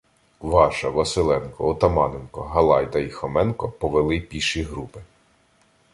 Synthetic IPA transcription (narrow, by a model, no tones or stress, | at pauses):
ʋɑʃɐʋɐsɪlˠɛnkɔɔt̪ɐmɑnenkɔɦɐlˠɑjd̪ɐixɔmɛnkɔpɔʋelˠɪpʲiʃiɦɾupɪ